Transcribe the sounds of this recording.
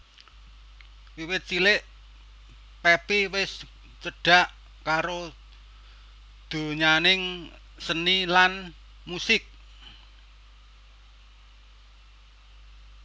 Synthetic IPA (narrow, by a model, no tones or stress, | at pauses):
wiwɪt̪̚t͡ʃilɪʔ | pɛpiwɪs | t͡ʃəɖ̥a̤ʔ | kaɾo | d̪̥o̤ɲanɪŋ | sənilan | musɪk̚